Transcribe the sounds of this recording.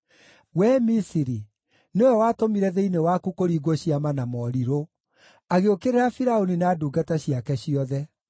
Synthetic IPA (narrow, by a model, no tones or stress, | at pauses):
wɛmisiɾi | neojɔwatomiɾɛðeinewakukoɾiːɡoɕiamanamɔɾiɾo | aɣeokeɾeɾafiɾaoninaːduːɡataɕijakɛɕiɔðɛ